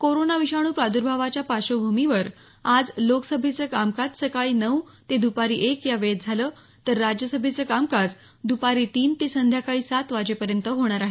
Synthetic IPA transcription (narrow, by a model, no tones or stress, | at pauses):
koɾonaʋiɕaɽ̃uːpɾad̪uɾbʱaʋat͡ɕjapaɕobʱumiʋəɾ | ad͡zloksəbʱit͡səkamkat͡ssəkaɭiːnəʋt̪ed̪upaɾḭːʔekjaʋet̪̚d͡zʱalə | t̪əɾːad͡ʑjəsəbʱit͡səːkamkad͡z | d̪upaɾiːt̪iːnt̪isənd̪ʱjakaɭiːsat̪ʋad͡ʑepəɾjənt̪əɦoɽ̃aɾaɦe